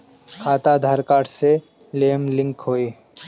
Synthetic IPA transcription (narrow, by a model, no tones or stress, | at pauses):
kʰaːt̪ad̪ʱaɾkaːʈse | leːmlɪ̃ŋkɦoːeː